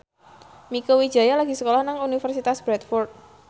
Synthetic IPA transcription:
mikəwid̥d͡ʒ̥a̤jalaɡ̥i̤səkolɔhnaŋunifərsit̪asb̥ɾɛt̪fɔrt̪̚

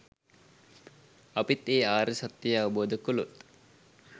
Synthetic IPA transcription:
ɐpit̪ːeːaːɾəsat̪ːijaɐʋəboːd̪əkulut̪

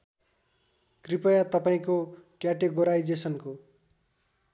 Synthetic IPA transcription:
kripʌjat̪ʌpaĩkokjaʈeɡoɾajd͡zesʌnko

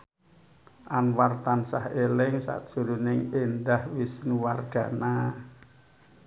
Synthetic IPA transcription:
ʔanwart̪ansahelɪŋsa̰ʔd̥ʒ̥ṳɾunɪŋend̪ahwisnuwarɡ̥a̤na

